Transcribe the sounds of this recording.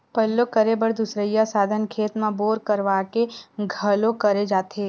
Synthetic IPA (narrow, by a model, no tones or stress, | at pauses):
pəlːokəɾebəɾd̪ʊsɾəjasaːd̪ʱənkʰeːt̪mãboːɾkəɾʋaːkeɡʱəlõkəɾed͡ʒaːt̪eː